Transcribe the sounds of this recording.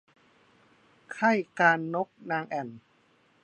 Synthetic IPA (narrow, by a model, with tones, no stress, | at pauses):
kʰa˥˩jkaː˧nːo˦˥k̚naː˧ŋʔɛ˨˩n